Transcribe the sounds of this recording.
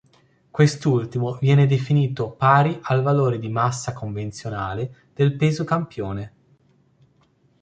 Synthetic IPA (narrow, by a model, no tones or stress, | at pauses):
kwest̪ult̪imovjɛːned̪efiniːt̪opaːɾiʔalvaloːɾed̪imasːakoɱvent̪sjonaːled̪̥elpeːzokampjoːne